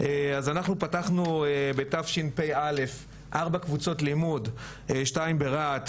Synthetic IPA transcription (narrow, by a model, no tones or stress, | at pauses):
eazanaχnupataχnuebe̞tafʃinpejale̞f | ʔaʁbakvut͡so̞tlimud | ʃtaimbe̞ʁat